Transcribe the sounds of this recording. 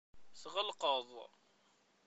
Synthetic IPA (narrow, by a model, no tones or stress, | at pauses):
θʁəlqəðˤ